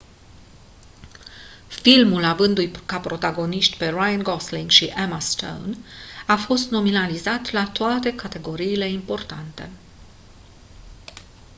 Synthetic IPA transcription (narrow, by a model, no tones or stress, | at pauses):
filmulavɨnd̪ujkapɾo̞t̪aɡo̞niʃt̪ʲpe̞rajənɡosliŋɡʃiʔemast̪o̰wnafo̞st̪no̞minalizat̪lat̪oat̪e̞kat̪e̞ɡo̞ɾiːle̞impo̞rt̪ant̪e̞̰